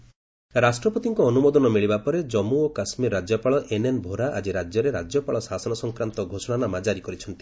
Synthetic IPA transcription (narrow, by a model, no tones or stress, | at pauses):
ɾasʈɾɔpot̪iŋkɔɔnumod̪ɔnɔmiɭibapɔɾed͡ʒɔmuokasmiɾːad͡ʒjɔpaɭɔʔenenbʱoɾaʔad͡ʒiɾad͡ʒjɔɾeɾad͡ʒjɔpaɭɔsasɔnɔsɔŋkɾant̪ɔɡʱosɔɽ̃anamad͡ʒaɾikɔɾit͡ʃʰɔnt̪i̥